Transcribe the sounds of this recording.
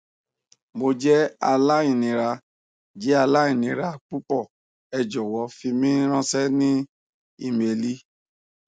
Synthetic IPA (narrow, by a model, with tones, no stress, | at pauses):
mo˧d͡ʒɛ˦a˧la˦ĩ˦˨nĩ˨˦ɾa˧ | d͡ʒɛ˨˦a˧la˦i˦˨nĩ˨˦ɾa˧k͡pu˦pɔ˦˨ | ɛ˧d͡ʒɔ˨wɔ˨˦fi˧mĩ˦ɾ̃ã˦sɛ˦nĩ˦ | i˧˨m˨e˨li˦